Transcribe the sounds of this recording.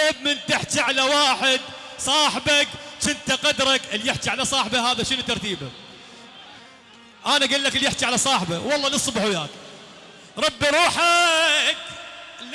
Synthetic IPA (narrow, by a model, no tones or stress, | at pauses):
ɪb̚mɪnt̪aħt͡ʃ̪iʕalawaːħɪd̪̚sˤɑːħɪbakt͡ʃɪnt̪aqɑd̪ɾˤɑkɪljɪħt͡ʃ̪iʕalasˤɑːħbahaːðaʃənut̪ːɑɾˤt̪iːba | ʔaːnaɡɪlːakɪljɪħt͡ʃ̪iʕalasˤɑːħbawɑlˤːɑːlɨsˤːbħwjaːk | ɾˤɑbːiɾˤuːħakl